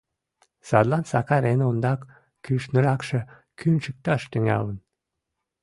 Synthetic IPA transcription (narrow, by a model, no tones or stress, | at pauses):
sɑd̪lɑnsɑkɑɾenond̪ɑkː | yʃnəɾɑkʃĕ | kynt͡ʃək̚t̪ɑʃt̪yŋæ̰lən